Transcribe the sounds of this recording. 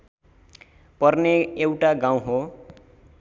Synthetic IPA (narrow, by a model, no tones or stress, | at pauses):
pʌrneewʈaɡãw̃ɦo